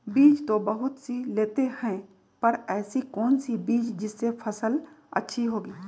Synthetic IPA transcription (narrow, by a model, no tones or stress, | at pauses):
biːt͡ʃt̪obɐɦʊt̪sileːt̪ehɛ̃ | pɐɾɛːsikɔːnsibiːt͡ʃd͡ʒɪsːepʰɐsəlɐ̰tːʃʰiɦoːɡiː